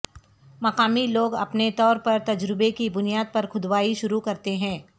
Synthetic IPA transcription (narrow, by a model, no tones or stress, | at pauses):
mɐqaːmiloːɡɐ̰pnet̪ɔːɾpɐɾt̪ɐd͡ʒɾɪbekibʊnijaːd̪̚pɐɾxʊd̪waːiʃʊɾukɐɾt̪eɦɛ̃ː